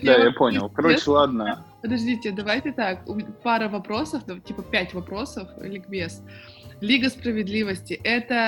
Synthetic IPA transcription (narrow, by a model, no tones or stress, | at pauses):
d̪ajjapo̞nʲɪ̰lˠkɐɾot͡ʃɪlˠaɐd̪nəpəd̪ɐʐdʲitʲɪd̪ɐvajtʲɪt̪akʊpaɾəvɐpɾo̞səfd̪ɐtʲipəpʲætʲvɐpɾo̞səflʲɪkbʲes | lʲiɡəspɾəvʲɪd̪lʲivəsʲtʲɪʔɛt̪ə